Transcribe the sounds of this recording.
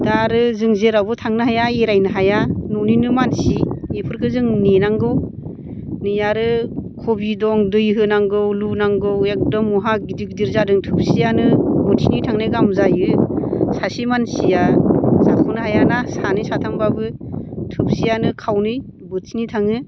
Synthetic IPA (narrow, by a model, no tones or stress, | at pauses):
daɾɯzɯŋzeɾabɯtʰaŋnɯɦajaeɾajnɯɦajanɔninɯmansiepʰɯɾkʰɯzɯŋnenaŋɡɯw | nɯjaɾɯkʰobidɔŋdɯjɦɯnaŋɡɯwlunaŋɡɯwek̚dɔmːɔɦaɡidik̚diɾzadɯŋtʰɯp̚sijanɯbɯtʰinitʰaŋnajɡamzajɯsasimansijazakʰunɯɦajanasanɯjsatʰaŋbabɯtʰɯp̚sijanɯkʰawnɯj | bɯtʰinitʰaŋɯ